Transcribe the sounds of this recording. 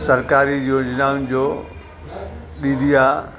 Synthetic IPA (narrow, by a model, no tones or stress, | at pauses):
sɐɾkaːɾid͡ʑod͡ʑɪnaːʊnɪd͡ʑoː | ɗĩːnd̪ʱiaː